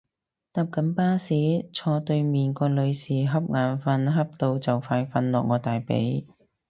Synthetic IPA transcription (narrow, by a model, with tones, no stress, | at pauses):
t̪aː˧p̚kɐ˨˥npaː˥siː˨˥t͡sʰɔː˧t̪ɵ˧ɥmiː˨˩nkɔː˧lɵ˨˧ɥsiː˨˩ɦɐ˥p̚ŋaː˨˧nfɐ˧nɦɐ˥p̚t̪o˧wt͡sɐ˨wfaː˧jfɐ˧nlɔː˨k̚ŋɔː˨˧t̪aː˨˩jpḛ˨˥j